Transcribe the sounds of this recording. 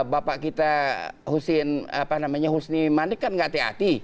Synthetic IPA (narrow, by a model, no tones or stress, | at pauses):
bapaʔkit̪ahusɪna̰pahnamaɲaɦusnimanɪkːanɡaʔt̪ea̰t̪i